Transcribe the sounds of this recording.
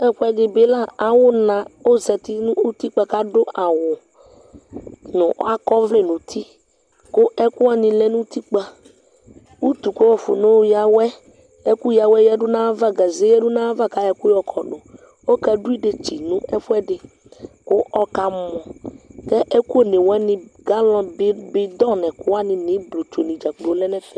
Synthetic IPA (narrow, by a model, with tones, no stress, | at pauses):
ɛ˦ɸʊ˦ɛ˦dɪ˨bɪ˨˦la˦˨a˨wʊ˦nã˨o˦zɛ˨t̪ɪ˦nʊ̃˦u˦t̪i˦k͡pa˨ka˦dʊ˦ʔa˨wʊ˨ | nʊ̃˨˦a˦kɔ˦vlɪ˦˨nʊ̃˨t̪ʰi˦ | kʊ˦ʔɛ˦kʊ˦a˦nɪ̃˨lɛ˦nʊ̃˦t̪i˦k͡pa˨ | u˦t̪u˨ko˦wɔ˨fʊ̰˨nʊ˦ja˨wɛ˦ | ɛ˦ku˦ja˨wɛ˦jɛ˦ɖʊ˦nã˦va˦ɡa˨ze˦jɛ˦dʊ˦nã˦va˦ka˨ɛ˨kʊ˦jɔ˨kʰɔ˨ɖʊ˨ | o˦ka˨ɖu˦i˦ɖe˨t͡ʃi˨nʊ̃˦ɛ˦fʊ˦ɛ˦ɖɪ˨ | kʊ˦ʔɔ˦ka˨mɔ̃˨kɛ˦ʔɛ˦ku˦o˦˨nɪ̃˨wɛ˦nɪ̃˦ɡa˦lɔ̃˦ɪ˦bɪ˦d̪ɔ˦nɛ̃˨kʊ˦a˦nɪ̃˨nɪ̃˨˦blo˨t͡ʃo˨nĩ˨d͡ʒa˨k͡plo˨˦lɛ˦nɛ̃˦fɛ˦˨